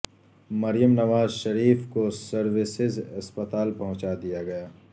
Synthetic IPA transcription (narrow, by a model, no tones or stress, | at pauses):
mɐɾijəmnɐʋaːzʃɐɾiːfkosɐɾʋɪsɪzɐspɐt̪aːlpɐɦʊ̃t͡ʃad̪ijaɡɐjaː